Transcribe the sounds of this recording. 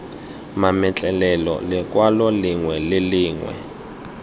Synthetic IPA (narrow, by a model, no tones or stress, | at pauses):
mamɛt͡ɬʼɛlɛlɔ̰lɛk̬ʼwalɔliŋwɛlɪliːŋwɛ̰